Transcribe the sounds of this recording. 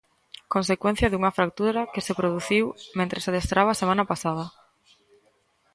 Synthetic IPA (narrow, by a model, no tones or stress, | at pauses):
konsekwẽn̟θjɐðuŋɐfɾak̚t̪uɾɐkesepɾoð̞uθiwmẽnt̪ɾesað̞est̪ɾʔaβaːsemãnɐpasað̞ɐ